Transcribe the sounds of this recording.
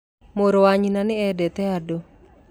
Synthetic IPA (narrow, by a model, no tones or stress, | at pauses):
moɾowaɲinanɪɛdɛt̪ɛado